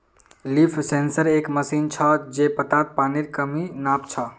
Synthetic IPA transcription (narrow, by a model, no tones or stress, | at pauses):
lipʰsensəɾekməsint͡ʃʰəd͡ʒepət̪at̪̚paniɾkəminapt͡ʃʰə